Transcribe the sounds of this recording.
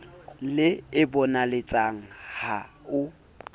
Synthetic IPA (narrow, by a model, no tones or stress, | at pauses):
lɪɪbɔnalet͡sʼaŋ̩ha | ʊ